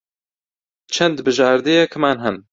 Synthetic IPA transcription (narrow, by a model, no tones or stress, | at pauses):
t͡ʃʰɛnd̪bɨʒaːɾd̪ejɛkʰɨmaːnɦɛn